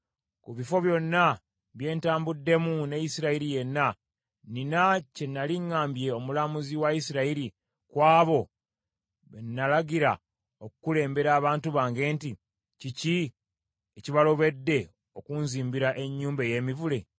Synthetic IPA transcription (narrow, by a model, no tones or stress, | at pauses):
kuβifo̞βjo̞nːa | βje̞ːntaːmbudːe̞munejisiɾaiɾije̞nːa | ninace̞nːaliŋːaːmbje̞o̞mulamuziwaisiɾaiɾi | kwaːβo̞ | βḛnːalaɡiɾa | okukule̞ːmbe̞ɾaːβaːntuβaːŋɡe̞ːnti | cici | eciβalo̞βe̞dːe̞ | o̞kuːnziːmbiɾaʔe̞ɲːuːmbeje̞ːmivule̞